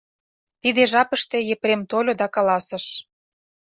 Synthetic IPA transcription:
t̪id̪eʒɑpə̆ʃt̪ejepɾemt̪olʲod̪ɑkɑlɑsə̆ʃ

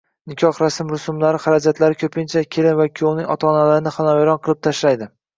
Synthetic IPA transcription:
nɪkʲʰɒχɾasɪmɾʊsʊmlaɾɪχaɾad͡ʒat̪ʰlaɾɪkʲʰɵpʰɪnt͡ʃʰakʲʰelɪnvakʲʰiownɪŋʲɒ̰t̪ʰɒːnalaɾɪnɪχanɒeɾɒnqʰɨlˠɪp̚t̪ʰaʃlajd̪ɪ

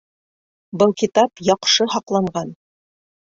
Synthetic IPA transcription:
bɤlˠkit̪ɑpjɑqʃɤhɑqlˠɑɴɢɑn

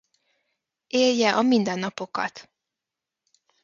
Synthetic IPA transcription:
eːljɛʔɒmind̪ɛnːɒpo̞kɒ̰t̪

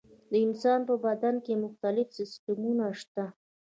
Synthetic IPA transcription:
d̪əɪnsɑnpəbad̪ankemʊxt̪alɪfsɪst̪ʊmunaʃt̪a

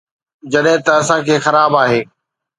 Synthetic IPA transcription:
d͡ʑɐɗɦɪ̃t̪ɐɐsãkʰeːxɐɾaːbaːɦeː

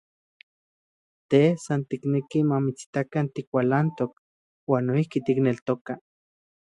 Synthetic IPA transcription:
t̪esant̪iknekimamit͡si̥t̪akant̪ikwʷalant̪ok̚ | waːnːoihkit̪iknelt̪oka

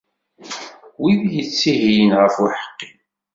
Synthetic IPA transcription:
wiðjət͡sːiɦijənʁəfʊħə̥qːi

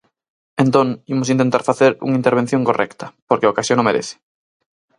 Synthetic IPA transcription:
ent̪oŋimosint̪ẽnt̪aɾfaθeɾṵŋaint̪eɾβ̞en̟θjõŋkorʔɛ̰kt̪ɐpoɾkeaokasjõnomeɾḛθɪ̥

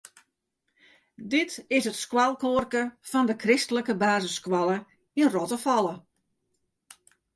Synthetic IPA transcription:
dɪtɪsətskwalˠkoərkəfɔndəkrɪstələkəbaːzəskwalˠə | inrɔtəfɔlˠə

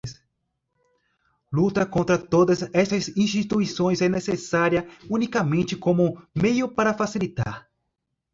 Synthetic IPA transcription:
s | lut̪ɐkõnt̪ɾɐt̪od̪ɐzɛst̪ɐzĩst͡ʃit̪uisõj̃zɛnesesaɾiɐunikɐmẽnt͡ʃɪkõmʊmejʊpaɾɐfasilit̪a̰ɾ

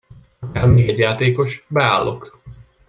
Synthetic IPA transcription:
ɒkaːrmiɡɛɟːjaːt̪eːko̞ʃbɛa̰ːlːok

